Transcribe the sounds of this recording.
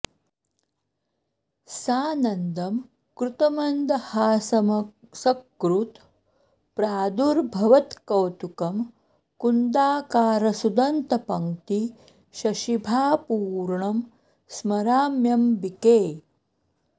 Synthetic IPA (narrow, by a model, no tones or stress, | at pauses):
saːnɐnd̪ɐm | kɾut̪ɐmɐnd̪ɐhaːsɐmɐsɐkːɾut̪ | pɾaːd̪uɾbʱɐʋɐt̪kɐwt̪ukɐm | kund̪aːkaːɾɐsud̪ɐnt̪ɐpɐŋt̪i | ʃɐʃibʱaːpuːɾɳɐm | smɐɾaːmjɐmbikeː